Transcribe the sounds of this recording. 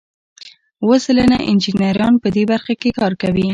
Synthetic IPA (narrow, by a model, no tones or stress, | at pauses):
wəsələnaʔɪ̰nd͡ʒɪnaɾjɑnpəd̪ebaɾxakekɑɾkawi